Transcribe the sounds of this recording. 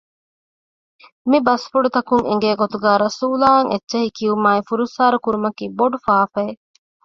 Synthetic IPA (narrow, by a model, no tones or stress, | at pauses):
mibɐsfuɖut̪ɐkuŋḛŋ̆ɡeːɡot̪uɡæːɾɐsuːlaːɐŋetːʃɐhikiumaːifuɾusaːɾukuɾumɐkiːboɖufaːfɐː